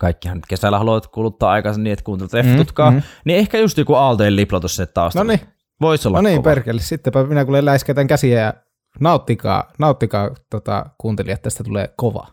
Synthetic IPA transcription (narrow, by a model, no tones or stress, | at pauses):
kɑˑikːihɑnyt̪kesælːæhɑloʋɑt̪kuːlut̪ːɑːɑˑikɑsenniʔet̪kuːnt̪elʲːt̪refːit̪ut̪kɑːniehkæjust̪iːkuɑˑlt̪oelliplɑt̪usinːet̪t̪ɑˑostnoni | ʋoˑisolːɑniːperkelːessit̪ːepæminækuːlːellæˑeskæˑt̪æŋkæsiæjɑ | nɑˑot̪ːikɑ̰ːnɑˑut̪ːikɑːt̪ot̪ɑ̰kuːnt̪eliɑet̪ːæsi̥t̪æt̪ulḛːkoʋɑ̰